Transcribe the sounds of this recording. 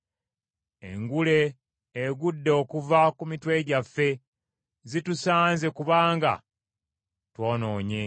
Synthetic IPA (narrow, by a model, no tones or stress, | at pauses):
ḛŋɡule̞ː | ɡudːeokuvakumitwe̞ɟafːe̞ | zitusaːnze̞kuβaːŋɡa̰ | twoːno̞ːɲe̞